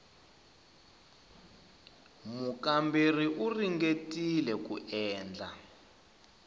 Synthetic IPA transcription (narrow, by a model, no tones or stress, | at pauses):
mukamberiʔuriŋɡetilɛkuʔɛːnd͡ɮʱa̰